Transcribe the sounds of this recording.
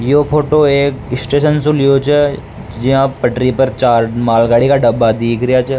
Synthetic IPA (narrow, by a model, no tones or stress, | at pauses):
jopʰoːʈoeːksʈeːʃənsulɪjot͡ʃʰɛ | d͡ʒɪɦãpɐʈɾipəɾt͡ʃaːɾmaːlɡaːɽikaɖɐbːad̪iːkʰɾɪjat͡ʃʰɛ